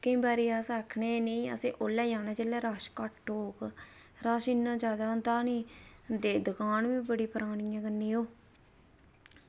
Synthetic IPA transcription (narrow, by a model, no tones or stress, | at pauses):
kĩːbaːɾiːaːsaːkʰneːniːə̰sĩːʔoːlɛːjaːnãːt͡ʃeːlɛːɾaːʃkaʈːoːk | ɾaːʃinːãːd͡ʒaːd̪ãːnd̪aːnĩːd̪eːd̪əkʰaːnʋiːbəɽiːpəɾaːɳɪjãːkənːiːoː